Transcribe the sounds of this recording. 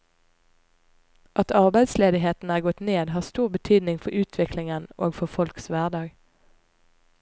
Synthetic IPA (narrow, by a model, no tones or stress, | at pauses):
ʔɑt̪ʰɑʁbæɪd̪sleːd̪ɪɦeːt̪n̩æːʁɡɔt̪neːd̪ɦɑːʁst̪uːʁbət̪ʰyːd̪nɪŋfɔʁʉːt̪ʰʋɪklɪŋəno̰ːɡfɔfɔlksʋæːʁd̪ɑːɡ